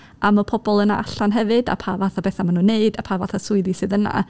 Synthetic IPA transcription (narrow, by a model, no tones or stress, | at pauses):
amɔpʰɔbɔlˠəna̰ʔaɬanɦɛvɨda̰pʰaːvaθabɛːθamanuːneɨdapʰaːvaθasʊɨðisɨðəna̰